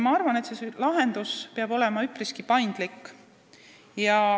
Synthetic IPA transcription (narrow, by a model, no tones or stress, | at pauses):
mɑɑrvɑnet̪seslɑɦe̞nd̪̥uspeɑbo̞le̞mɑypriskipɑjnd̪̥likː | jɑ